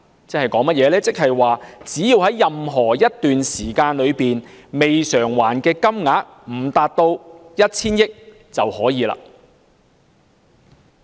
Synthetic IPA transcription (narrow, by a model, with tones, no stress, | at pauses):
t͡sɛ˥hɐ˨jkɔː˨˥ŋmɐ˥t̚jɛː˨˧lɛː˥t͡sɪ˥k̚hɐ˨jwaː˨˩t͡siː˨˥ji˧whɐ˨˥jːɐ˨mɦɔː˨˩jɐ˥t̚t̪yː˨nsiː˨˩kaː˧nlɵ˨˧ɥpiː˨nme˨jsœː˨˩ŋwaː˨˩nkɛː˧kɐ˥mŋaː˨˥k̚m̩˨˩t̪aː˨t̚t̪o˧wjɐ˥t̚t͡sʰiː˥njɪ˥k̚ | t͡sɐ˨whɔː˨˥jiː˨˧la̰ː˧˥